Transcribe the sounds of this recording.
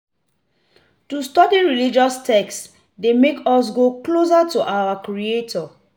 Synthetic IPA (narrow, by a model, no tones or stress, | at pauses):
tustɔdiɹilid͡ʒɔstɛks | demekɔs̬ɡoklos̬atuʔawakɾɹietʰɔ